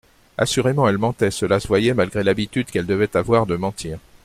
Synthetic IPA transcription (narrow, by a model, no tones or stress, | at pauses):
a̰syʁemɑ̃ɛlmɑ̃t̪ɛsəlasəvwajɛmalɡʁelabit̪yd̪kɛld̪əvɛt̪avwaʁd̪əmɑ̃t̪ʰiːʁ